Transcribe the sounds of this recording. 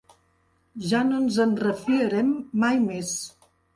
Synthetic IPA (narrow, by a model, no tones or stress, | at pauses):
ʒanonzənrəfiəɾɛmːajmes